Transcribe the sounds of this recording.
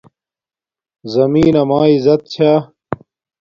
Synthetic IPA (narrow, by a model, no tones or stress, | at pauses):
zɐmiːnɐmaːizɐt̪̚t͡ɕʰaː